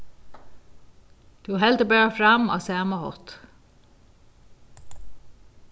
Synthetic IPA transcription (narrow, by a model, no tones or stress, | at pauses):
d̪̥ʉːhɛld̪əbøːfɹɑmɑ̰ːsæːməhɔ̰t̪